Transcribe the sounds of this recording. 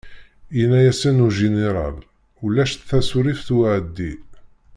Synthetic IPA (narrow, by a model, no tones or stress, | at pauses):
inæjæsænuʒineɾˤɑ̰l | ulːæʃt̪θæsuɾifθwʕəd̪ːi